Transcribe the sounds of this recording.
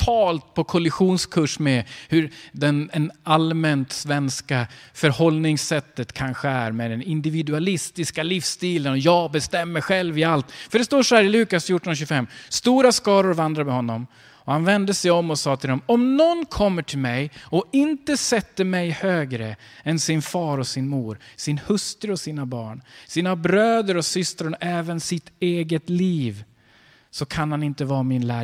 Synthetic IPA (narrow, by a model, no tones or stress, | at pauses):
t̪ʰɑːlt̪̚pʰɔkʰɔlɪɧuːnskʰɵʂmɛhɵɾd̪ɛnɛnalmɛnt̪svɛnskafœɾhɔlnɪŋsɛt̪ːət̪kʰanɧəæ̰ɾmɛd̪ɛnɪnd̪ɪvɪd̪ɵalɪst̪ɪskalifst̪iːlənɔjɑːɡbɛst̪ɛmːəɾɧɛlvɪalt̪fœɖɛst̪oːʂɔhæːɾɪlʉ̟ːkasfjuːʈːɔnɕʉfɛmːst̪uːɾaskɑːɾʊɾvand̪ɾamɛhɔnːɔm | ɔhanvɛnd̪əsɛjɔmːɔsɑːt̪ʰɪld̪ɛmɔmnɔnkʰɔmːəʈʰɪlmɛjɔɪnt̪əsɛt̪ːəmɛjhøːɡɾə | ɛnsɪnfɑːɾɔsɪnmuːɾsɪnhɵst̪ɾɾɔsiːnabɑːɳsiːnabɾøːd̪əɾɔsʏst̪ɾənɔʔɛːvənsɪt̪eːɡət̪liːv | sɔkʰanhanɪnt̪əvɑːmɪnlæː